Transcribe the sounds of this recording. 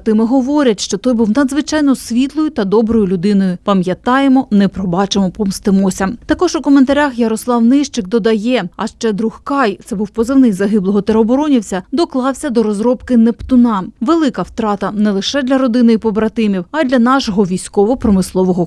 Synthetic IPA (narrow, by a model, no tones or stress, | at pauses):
t̪ɪmɪɦɔʋɔɾʲɐtʲʃt͡ʃɔt̪ɔjbuwnɐd̪zʋɪt͡ʃɑjnɔsʲʋʲit̪lˠɔjʊt̪ɐd̪ɔbɾɔjʊlʲʊd̪ɪnɔjʊpɐmjɐt̪ɑjemɔnɛpɾɔbɑt͡ʃemɔpɔmst̪ɪmɔsʲɐt̪ɐkɔʒʊkɔment̪ɐɾʲaxjɐɾɔslˠɑwnɪʃt͡ʃɪk̚d̪ɔd̪ɐjɛɐʃt͡ʃɛd̪ɾuhkɑjt̪sɛbuwpɔzɐwnɪjʲzɐɦɪblˠɔɦɔt̪eɾeɔbɔɾɔnʲiwsʲɐd̪ɔklˠɑwsʲɐd̪ɔɾɔzɾɔpkɪnɛpt̪ʊnɑʋelˠɪkɐwt̪ɾɑt̪ɐnɛlˠɪʃɛd̪lʲɐɾɔd̪ɪnɪipɔbɾɐt̪ɪmʲiwɐd̪lʲɐnɑʃɔɦɔʋʲijsʲkɔʋɔpɾɔmɪslˠɔʋɔɦɔ